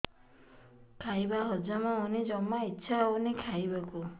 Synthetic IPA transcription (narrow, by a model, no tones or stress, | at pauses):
kʰajbaɦɔd͡ʒamaunid͡ʒɔmːaitːʃʰaunikʰajbaku